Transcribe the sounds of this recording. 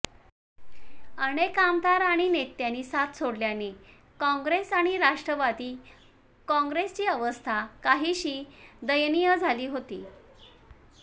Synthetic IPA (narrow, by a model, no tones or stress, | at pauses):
əñekamd̪aɾaɽ̃inet̪ːjaniːsat̪ʰsoɽljane | kɔ̃ŋɡɾesaɽ̃iɾaʂʈɾəʋad̪iː | kɔ̃ŋɡɾest͡ɕiːəʋəst̪ʰakaɦiːɕiːd̪əjnijəd͡zʱaliːɦot̪ḭː